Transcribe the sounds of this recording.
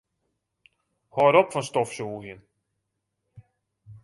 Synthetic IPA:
hɔːɾɔpfɔnstɔfsuːɦjən

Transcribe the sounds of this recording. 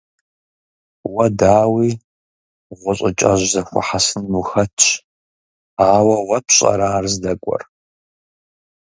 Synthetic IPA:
wɐdaːwiː | ʁʷʊɕʼɪt͡ʃʼɐ̰ʒzɐxʷɔ̰ħasɨnmuxɐt͡ʃʰ | aːwɐwɐpʰɕʼɐ̰ɾaːrzdɐkʷʼɔ̰r

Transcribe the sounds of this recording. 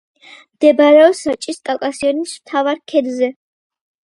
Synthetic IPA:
md̪̥ɛbaɾɛɔsat͡ʃʼiskʼalˠkʼasiɔnismt̪ʰavaɾkʰɛd̪zɛ

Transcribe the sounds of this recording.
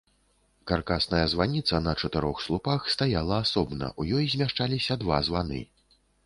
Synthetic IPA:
karkasnɐjɐzvanʲit̪sɐnɐt͡ʂɐt̪ɛɾɔxslˠupaxst̪ajalˠɐasɔbnɐ̰ʔujɔjzʲmʲaʂt͡ʂalʲisʲɐd̪va̰zvanɨ̰

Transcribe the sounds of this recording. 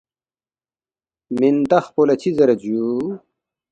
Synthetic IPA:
mint̪ɐxpolɐt͡ɕʰizɐɾɐd͡ʑu

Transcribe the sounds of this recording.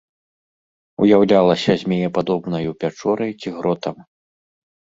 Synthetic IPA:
ṵjawlʲalˠɐsʲɐzʲmʲejɛpad̪ɔbnɐjupʲat͡ʂɔɾɐjt͡sʲiɣɾɔt̪ɐm

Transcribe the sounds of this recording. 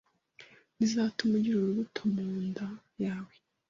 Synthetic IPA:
nizaːtumuɟiɾoɾuβutʰomuːnda | jaːwe

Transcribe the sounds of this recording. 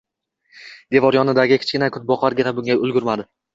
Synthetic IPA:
d̪̥e̞vɒɾjɒnɪd̪aɡʲɪkʲʰɪ̥t͡ʃkʲɪnakʰʊt̪̚bɒqʰaɾɡʲɪnabʊŋɡʲaʊlˠɡʲʊɾmad̪ɪ

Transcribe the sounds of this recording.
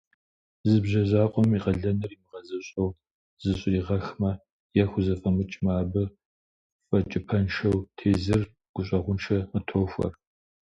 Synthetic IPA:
zɨbʑɐzaːqʷʼɔmiqɐɮɐnɨrimɨʁɐzɐɕʼɐw | zɨɕʼriːʁɐxmɐ | jɛxʷʊzɐfʼɐmɨt͡ʃʼmaːbɨ | fʼɐt͡ʃʼɪpʰɐnʂɐwtʰeːzɨr | ɡ̥ʷʊɕʼɐʁʷʊnʃʰɐmɨtʰoːxʷɐ̰r

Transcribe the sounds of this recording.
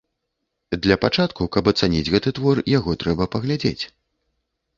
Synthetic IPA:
d̪lʲɐpat͡ʂat̪kukɐpɐt̪sanʲḭd͡zʲɣɛt̪ɨt̪vɔrjaɣɔt̪ɾɛbɐpɐɣlʲad͡zʲḛt͡sʲ

